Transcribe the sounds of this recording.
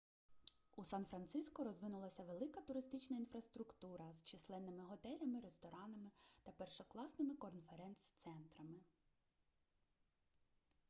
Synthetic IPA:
usɑnfɾɐnt̪sɪskɔɾɔzʋɪnʊlˠɐsʲɐʋelˠɪkɐt̪ʊɾɪst̪ɪt͡ʃnɐinfɾɐst̪ɾʊkt̪uɾɐzt͡ʃɪslˠɛnːɪmɪɦɔt̪ɛlʲɐmɪɾest̪ɔɾɑnɐmɪt̪ɐpɛrʃɔklˠɑsnɪmɪkɔnfeɾɛnt̪st̪sɛnt̪ɾɐmɪ

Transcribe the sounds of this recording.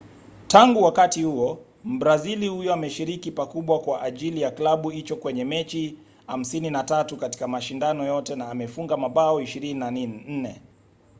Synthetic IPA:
taŋɡuwakatihuɔ | m̩bɾazilihujɔamɛʃiɾikipakuɓwakwaʔaʄilijaklaɓuit͡ʃɔkwɛɲɛmɛt͡ʃi | ha̰m̩sininatatukati̥kamaʃindanɔjɔtɛnaːmɛfuŋɡamaɓaɔiʃiɾininaninn̩nɛ

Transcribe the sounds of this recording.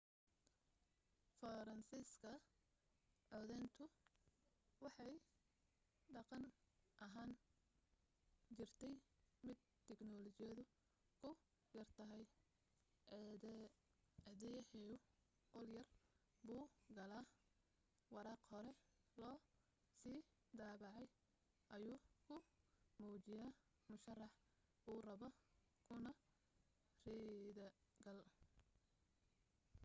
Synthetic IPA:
fɐɾɐnsiːskʰɐ | ʕɔːðɛːnt̪ʰʊ | wɑħɑj | ɖɑqɑnʔɐɦaːn | t͡ʃɪrt̪ʰɛjmɪd̪̚ | t̪ʰɛɡnɔlɔt͡ʃɪjɐðʊ | kʰʊ | jɐrt̪ʰɐɦɛj | ɛðɛjhɛʊ | qɔljɐr | buːɡɐlaː | wɑɾaːqhɔɾɛlɔː | siː | d̪aːβɑʕɑj | ʔɐjuːkʰʊmuːt͡ʃɪjaː | mʊʃɐrɑħ | buːrɐβɔ | kʰʊnɐ | riðɐɡɐl

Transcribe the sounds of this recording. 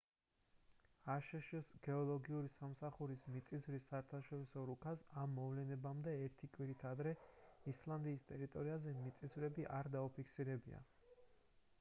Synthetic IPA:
aʃɛʃɛsɡɛɔlˠɔɡiuɾisamsaχuɾismit̪sʼizvɾisːaɛɾt̪ʰaʃɔɾisɔɾukʰasamːɔvlɛnɛbamd̪ɛɛɾt̪ʰikʼwiɾit̪ʰad̪ɾɛislˠand̪iːst̪ʼɛɾit̪ʼɔɾiazɛmit̪sʼizvɾɛbiʔaɾd̪aupʰikʰsiɾɛbḭa̰

